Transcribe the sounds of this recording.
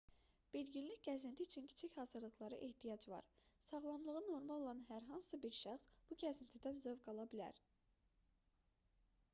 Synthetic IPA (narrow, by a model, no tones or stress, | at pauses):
b̥ilɟilliçɟæzint̪ʰiːt͡ʃʰincʰi̥t͡ʃʰiçhɑːzɯɾlˠɯχlˠɑɾɯʔehd̪ijɑd͡ʒvɑ̰ɾsɑʁlˠɑmlˠɯʁɯnːo̞ɾmɑlˠolˠɑnɦæɾɦɑnsɯbiɾʃæχsb̥uɟʲæzint̪ʰid̪ænzøvɡɑlˠɑbilæ̰ɾ